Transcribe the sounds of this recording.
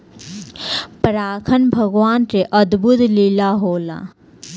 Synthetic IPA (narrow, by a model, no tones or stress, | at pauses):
pɾaːkʰənbʱəɡʋaːnɾeʔəd̪but̪lilaɦoːla̰ː